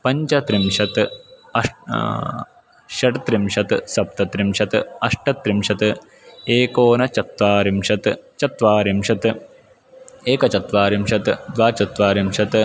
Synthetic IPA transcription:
pɐɲt͡ʃɐt̪ɾimʂɐt̪ɐʂ | ʃɐʈt̪ɾimʂɐt̪sɐp̚t̪ɐt̪ɾimʂɐt̪ɐʂʈɐt̪ɾimʂɐt̪ | eːkoːnɐt͡ʃɐt̪ʋaːɾimʂɐt̪t͡ʃɐt̪ʋaːɾimʂɐt̪ | eːkɐt͡ʃɐt̪ʋaːɾimʂɐt̪d̪ʋaːt͡ʃɐt̪ʋaːɾimʂɐt̪

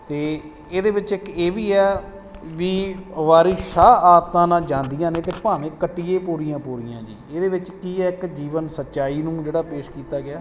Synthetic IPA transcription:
t̪eː | eːd̪eːʋɪt͡ʃɪkeːʋiːɛː | ʋiːʋaːɾiːʃaːaːt̪ːãːnaːd͡ʒãːnd̪ijãːnẽːt̪eːpaːʋẽːkəʈːiːeːpuːɾijãːpuːɾijã̰ːd͡ʒḭːeːd̪eːʋɪt͡ʃkiːɛːɪkd͡ʒiːʋənsətːt͡ʃaːiːnũːd͡ʒeːɽaːpeːʃkiːt̪aːɡɪaː

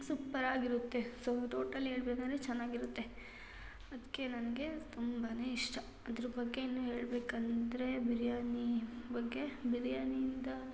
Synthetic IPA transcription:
supːɐɾaːɡiɾut̪ːe̞soʈo̞ːʈɐlːiɦeːɭbekand̪ɾet͡ʃɛnːaːɡiɾut̪ːe̞ | ɐd̪ɐkːe̞nɐnɐɡe̞t̪umbɐneːiʂʈɐ | ɐd̪ɐɾɐbɐɡːe̞inːuːɦe̞ːɭbeːkɐnid̪ɾe̞biɾijaːnibɐɡːe̞biɾjaːnijind̪ɐ

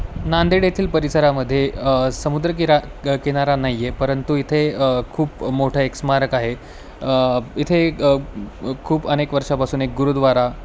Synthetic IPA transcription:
nand̪eɽet̪ʰiːlpəɾisəɾaməd̪ʱːjesəmud̪ɾəkiɾakiɽ̃aɾanajjepəɾənt̪uit̪ʰekʰuːpmoʈʰəeksmaɾəkaɦe | it̪ʰe | kʰuːpənekʋəɾʂapasuːnek̚ɡuɾud̪ʋaɾa

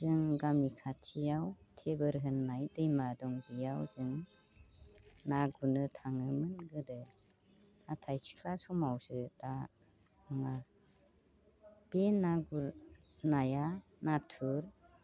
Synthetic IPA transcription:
zɯŋɡamnikʰatʰijawtʰebɯɾɦɯnːajdɯjmadɔŋbijawzɯŋ | naɡunɯtʰaŋɯmɯnɡɯdɯ | atʰajsi̥kʰlasɔmawsɯda | ɯŋa | b̥enːaɡuɾ | najanatʰuɾ

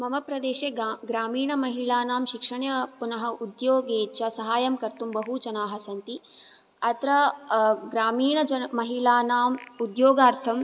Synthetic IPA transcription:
mɐmɐpɾɐd̪eːʃeːɡɾaːmiːɳɐmɐɦilaːnaːmʃikʂɐɳjɐpunɐɦɐʔud̪joːɡeːt͡ʃɐsɐɦaːjɐmkɐɾt̪umbɐɦut͡ʃɐnaːɦɐsɐnt̪i | ɐt̪ɾɐɡɾaːmiːɳɐɐmɐɦilaːnaːmud̪joːɡaːɾt̪ʰɐm

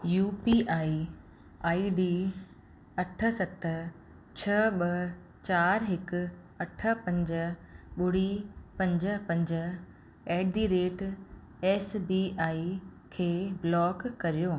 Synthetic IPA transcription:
juːpiaːi | aːiɖiː | ɐʈʰə̆sɐt̪ə | t͡ɕʰɐɓɐ | t͡ɕaːɾɦɪkʊ̆ | ɐʈʰə̆pɐ̃ɲd͡ʑəɓʊɽ̤ipɐ̃ɲd͡ʑəpɐ̃ɲd͡ʑə | ɛːɖ̪iɾeːʈ | ɛːsbiːʔaːi | kʰeːblɔːkːɐɾijoː

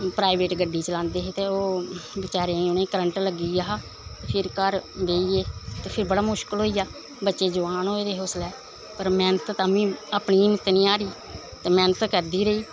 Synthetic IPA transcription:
pɾaːiʋeːʈɡəɖːiːt͡ʃəlãːnd̪eːɦeːt̪eːoːbɪt͡ʃaːɾeːʊnẽːkəɾəɳʈləɡiːaːɦ | t̪eːpʰɪɾkəɾʋeːiːeːt̪eːpʰɪɾbəɽaːmʊʃkəlɦoːiːaː | bətːʃeːd͡ʒʊʋaːnɦoːeːd̪eːɦoːslɛː | pəɾmɛːnət̪t̪aːʋĩːaːpɳiːmət̪nĩːaːɾiː | t̪eːmɛːnət̪kəɾd̪iːɾəiː

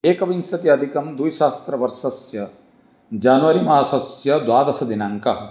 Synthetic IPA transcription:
eːkɐʋinsɐt̪iɐd̪ʱikɐmd̪ujʃaːst̪ɾɐʋɐɾʃɐsjɐ | d͡ʒaːnʋɐɾimɐasɐsjɐd̪waːd̪ɐsɐd̪inɐŋkɐɦɐ

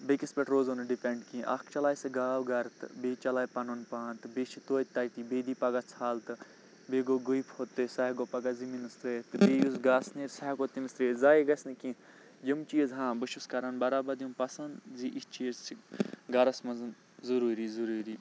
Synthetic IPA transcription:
bekispeʈɾoːzonɨɖipeɳɖkĩʔɐ̰kʰt͡ʃɐlaːjsɨɡaːwɡɐɾt̪ɨbeːt͡ʃɐlaːjpɐnonpaːnt̪ɨbeːt͡ʃʰit̪oːt̪ɐt̪ibeːd̪iːpɐɡɐt͡sʰaːlt̪ɨ | beːɡoɡojpʰot̪ːɨsɐɡopɐɡɐziminɨst̪ɾeːt̪ɨbeːjuzɡaːsneːɾsɐɦɐkot̪imɨst̪ɾeːzaːjiɡɐsnikĩː | d͡ʒimt͡ʃiːɐzɦãːbɨʃuskɐɾanbɐɾaːbɐd̪jimpɐsɐnd̪ziʔist͡ʃiːɐzsiɡɐɾɐsmɐzɨn | zuɾuːɾizuɾuːɾiː

